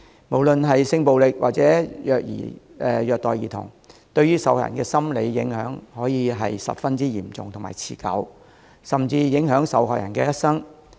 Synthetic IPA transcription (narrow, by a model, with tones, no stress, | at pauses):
mo˨˩wlɵ˨nɦɐ˨jsɪ˧ŋpo˨wlɪ˨k̚wa̰ː˨k̚t͡sɛː˨˥jœː˨k̚jḭː˨˩ɛː˨jœː˨k̚t̪ɔː˨jiː˨˩t̪ʰʊ̰˨˩ŋ | t̪ɵ˧ɥyː˥sɐ˨˥whɔː˨jɐ̰˨nkɛː˧sɐ˥mle˨˧jːɪ˨˥ŋɦœː˨˥ŋhɔː˨˥jiː˧ɦɐ˨jsɐ̰˨p̚fɐ˥nt͡siː˥jiː˨˩mt͡sʊ˨ŋt̪ʰmaː˨˩jt͡sʰiː˨˩kɐ̰˨˥w | sɐ˨˩mt͡siː˧jɪ˨˥ŋɦœː˨˥ŋsɐ̰˨˧˥whɔ̰ː˨jɐ̰˨˩nkɛ̰ː˧jɐ˥t̚sɐ˥ŋ